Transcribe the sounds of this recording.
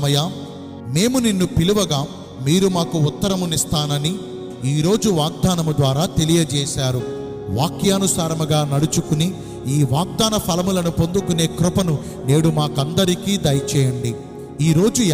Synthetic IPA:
ɐjaː | me̞ːmuninːupiluʋɐɡaː | miːɾumaːkuut̪ːɐɾɐmunist̪aːnɐni | iːɾo̞ːd͡ʒuʋaːɡ̚d̪aːnɐmud̪ʋaːɾaːt̪e̞lijɐd͡ʒɛːʃaːɾu | ʋaːkjaːnusaːɾɐmuɡaːnɐɽut͡ʃukuni | iːʋaːɡ̚d̪aːnɐpʰɐlɐmulɐnupo̞nd̪ukune̞ːkɾʊpɐnu | ne̞ːɽumaːkɐnd̪ɐɾikiːd̪ɐjt͡ʃɛːjɐɳɖi | iːɾo̞ːd͡ʒu

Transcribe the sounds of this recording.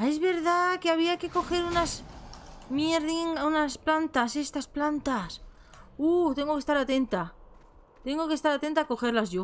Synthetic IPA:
e̞zβe̞ɾðakeaβ̞iake̞ko̞xe̞ɾunaz | mjeɾðiŋunasplant̪ase̞st̪asplant̪as | ut̪e̞ŋɡo̞ke̞st̪aɾat̪e̞nt̪a | t̪e̞ŋɡo̞ke̞st̪aɾat̪e̞nt̪ako̞xe̞ɾlazʝo̞

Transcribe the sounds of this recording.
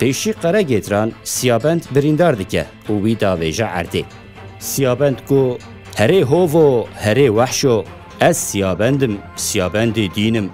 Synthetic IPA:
peːʃiːqɛɾɛɡeːt̪ɾɑːnsijɑːbɛnd̪bɨɾiːnd̪ɑːɾd̪ɨkɛ̰ | uːwiːd̪ɑːveːʒɛʔæ̰ɾd̪eː | sijɑːbɛnd̪kʊ | hɛɾeːɦoːvoːhɛɾeːwæħʃo | ɛzsijɑːbɛnd̪ɨmsijɑːbɛnd̪eːd̪iːnɨm

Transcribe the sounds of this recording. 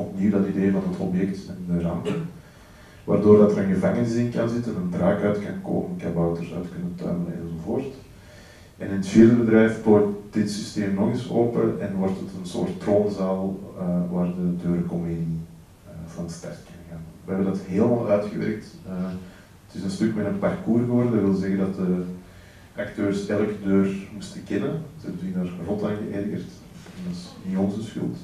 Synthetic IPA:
ɔpniwdɑtideːvɑnɦətʰɔpjɛk̚tɛndərɑmtən | ʋa̰ːrdoːrdɑtəɾənɣəvaŋənɪsɪnkɑnzɪtənəndraːkœɥtkɑnko̰ːpənkabɔwtərsœ̰ːtkɵnəntœ̰ːmələnɛ̰nzovoːrt | ʔɛnɪnətfiːrdəbədɾɛjfboːtd̥ɪtsisteːmnɔɣɪsoːpəʔɛnwɔrtətənso̰ːrttroːnzaːlˠəʋaːrdədøːɾəkɔmeːdi | əvɑnətstɑ̰rtkɪnəɣaːnʋəɦɛbəndɑtɦeːləmaːlˠœɥtxə̰ʋɛ̰ɾk̚tə | ətɪsənstɵkmɛtənpɑrkuːrɣəʋɔrdədwʋɪlˠzɛɣədɑt̚də | ʔɑktøːrsɛlˠəkədøːrmustəkɛnəzəɛbətindaːrrɔtaːnɣə̰ʔɛrɣə̰rt | ɛndɑsniɔnzəsxʏ̰lˠt

